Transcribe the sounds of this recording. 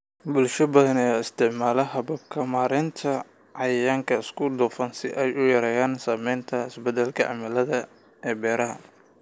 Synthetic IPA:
bʊlʃɐbɐðɐnɛːɪst̪ʰɪʕmaːlɐɦɐβɐb̚kʰɐmaːɾɪnt̪ʰɐ | ʕɑjɐjaːŋkʰɐɪskʰʊd̪ɔːfɐnsɪʔɛjʊjɐɾɛːjaːnsaːmɛjnt̪ʰɐɪsbɐd̪ɛlkʰɐʕɑ̰mɐlɐðɐ | ɛːbɛːɾɐɦɐ̰

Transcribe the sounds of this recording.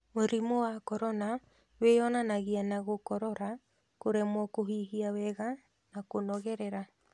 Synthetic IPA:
moɾimowakɔɾɔna | weɔnanaɣianaɣokɔɾɔɾa | koɾɛmwɔkoɦiɦiawɛɣa | nakonɔɣɛɾɛɾa

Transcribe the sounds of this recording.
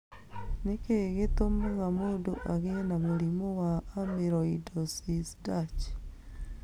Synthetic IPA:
nekeːɣetomuŋamoduʔaɣenamuɾimowaːmeɾoidosisdat͡ʃ

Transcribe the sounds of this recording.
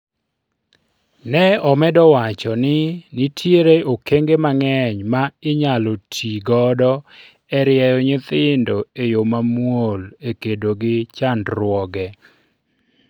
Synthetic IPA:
nɛɔmɛdɔwat͡ʃɔnɪnɪtʰjeɾeokeŋɡemaŋɛɲmaɪɲalotʰiɡɔdɔ | ɛɾɪɛjɔɲɪt̪ɪndoejomamwolekedoɡɪt͡ʃandɾwɔɡɛ

